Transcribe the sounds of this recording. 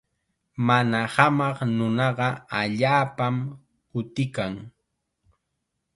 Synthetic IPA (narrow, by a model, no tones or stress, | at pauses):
manahamɑχnʊnɑɢɑaʎaːpam | kʊt̪ɪkaŋ